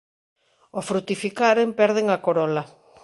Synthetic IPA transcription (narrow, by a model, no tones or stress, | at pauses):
ofɾut̪ifikaɾempɛɾð̞eŋakoɾɔla